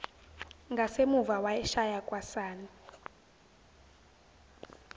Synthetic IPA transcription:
ŋɡʱasemuvawajɛʃajakʼwasaːni

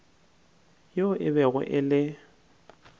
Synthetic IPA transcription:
joʔɪβɛɣʊ̰ʔɪlɪ

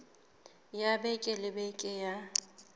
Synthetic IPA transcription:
jabɛkʼɪlɪbɛkʼɪja

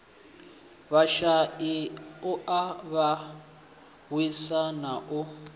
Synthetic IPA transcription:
βaʃaiʊʔaβa | wisanaʔʊ

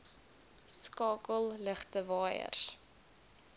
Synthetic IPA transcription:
skɑːkəlˠləχtəvɑːjə̰r

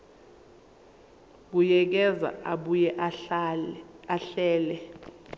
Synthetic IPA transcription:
ɓujɛk̬ɛza̰ʔaɓujɛʔ | aɬɛːlɛ

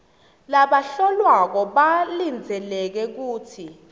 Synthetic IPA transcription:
laɓaɬɔlwak̬ɔɓalind͡zʱɛlɛk̬ɛk̬uːtʰi

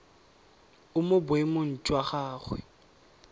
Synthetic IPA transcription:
ʊmʊbʊemʊn̩t͡ʃʼwaχaːχwɛ̰

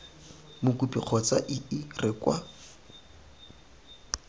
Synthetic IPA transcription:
mʊkupiq͡χʰɔt͡sa̰ʔɪɪrɪkwa

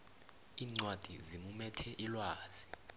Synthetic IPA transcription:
iːŋ͡ǀwad̥ʱizimumɛtʰɛʔilwaːz̥i

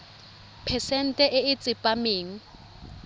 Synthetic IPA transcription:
pʰɛsɛn̩tʼɛʔɪɪt͡sʼɪpʼameːŋ̩

